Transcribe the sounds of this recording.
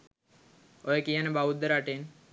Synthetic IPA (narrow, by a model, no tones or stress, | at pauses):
ojəkijənəbaʋud̪ːəɾaʈen